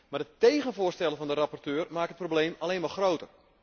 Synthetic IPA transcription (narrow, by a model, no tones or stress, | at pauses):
madətejɣənvʊːrstɛlˠəvɔndəɾapɔrtøːrmaːkət̚probleːmaleːnʋaxrowtər